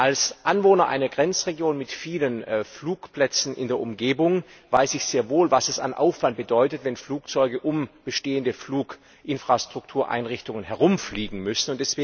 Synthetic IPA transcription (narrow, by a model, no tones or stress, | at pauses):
ʔalsʔanvoːnɐʔa̰ɪnɐɡʁɛnt͡sʁeɡjoːnmɪtfiːlənfluːkplɛt͡sn̩ɪ̰ndeːɐʊmɡeːbʊŋvaɪsɪçz̥eːɐvoːlvasɛsa̰nʔa̰ʊfv̥ant̚b̥ədɔʏtətvɛnfluːk̚t͡sɔʏɡəʔʊmb̥əʃteːəndəfluːk | ʔɪnfʁ̥astʁ̥ʊk̚tʰuːɐʔa̰ɪnʁɪçtʊŋənhɛʁʊmfliːɡŋ̩mʏsn̩ʊntd̥ɛsv̥eː